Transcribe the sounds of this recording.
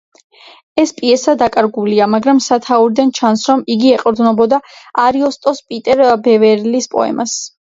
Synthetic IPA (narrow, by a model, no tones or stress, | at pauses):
ɛspʼiɛsad̪akʼaɾɡuliamaɡɾamsat̪ʰauɾid̪ant͡ʃʰansɾɔmiɡiɛqʼɾd̪nɔbɔd̪aaɾiɔst̪ʼɔspʼit̪ʼɛɾbɛvɛɾlispʼɔ̰ɛ̰mas